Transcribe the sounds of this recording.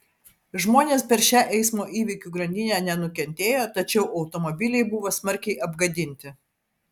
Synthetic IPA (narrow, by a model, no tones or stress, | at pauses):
ʒmoːnʲeːspʲɛɾʃʲæːʔɛɪsmoːʔiːʋʲikʲuɡɾɐnʲd̪ʲɪnʲæːnʲɛnʊkʲɛnʲt̪ʲeːjoːt̪ɐt͡ʃʲɛʊʔɐʊt̪ɔmobʲɪlʲɛɪbʊʋoːsmɐɾʲkʲɛɪʔɐbɡɐd̪ʲɪnʲt̪ʲɪ